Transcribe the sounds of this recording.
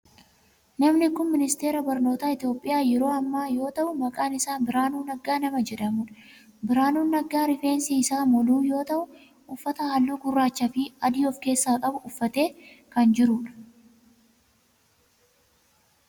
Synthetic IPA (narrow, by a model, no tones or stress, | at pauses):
nɐmnɪkʊnmɪnɪst̪e̞ːɾɐbɐɾno̞ːt̪aːɪt̪jo̞ːpʼːɪjaːjɛɾo̞ːɐmːaːjo̞ːt̪ɐʔʊmɐkʼaːnɪsaːnbɪɾaːnuːnːɐɡaːnɐmɐd͡ʒɛᶑɐmʊᶑɐ | bɪɾaːnuːnːɐɡːaːɾɪfeːnsiɪsaːmɔluːjo̞ːt̪ɐʔʊ | ʔʊfːɐt̪ɐhalːuːɡʊrːaːt͡ʃːafɪɐd̪iːɔfke̞ːsːaːkʼɐbʊʊfːɐt̪e̞ːkɐnd͡ʒɪɾʊᶑɐ̥